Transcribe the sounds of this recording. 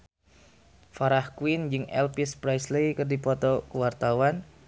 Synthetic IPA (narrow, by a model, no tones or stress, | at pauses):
faɾahkwind͡ʒɨŋɛ̰lpispɾajslejkɨrdipɔt̪ɔkuwart̪awan